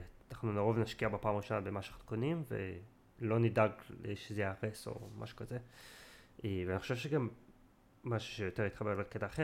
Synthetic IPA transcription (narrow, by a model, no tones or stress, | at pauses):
naχnunaʁovnaʃkiabepaːmʁiʃo̞nabemaʃaχnkonimvḛ | lo̞nidaɡeʃezejʁeso̞̰ma̰ʃu̥kaze | ʔveaniχoʃevʃeɡamː | aʃu̥ʃejoteʁit̪χabe̞ʁlaketaːχe